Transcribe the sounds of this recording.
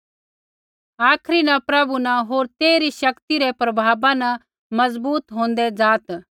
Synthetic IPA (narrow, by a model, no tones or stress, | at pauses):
aːkʰɾinɐ̃pɾɐbunaɦoːɾt̪eːɾiʃɐkt̪iɾɛpɾɐbʱaːbãna | mɐzbuːt̪ɦõːnd̪ɛd͡zaːt̪